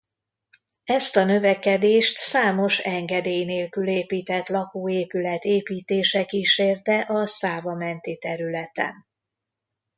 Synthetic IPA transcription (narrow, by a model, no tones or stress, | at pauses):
ɛst̪ɒnø̞vɛkɛd̪eːʃt̪saːmo̞ʃɛŋɡɛd̪eːjneːlkyleːpiːt̪ɛt̪lɒkuːeːpylɛt̪eːpiːt̪eːʃɛkiːʃeːrt̪ɛʔɒsaːvɒmɛnt̪it̪ɛɾylɛt̪ɛ̰n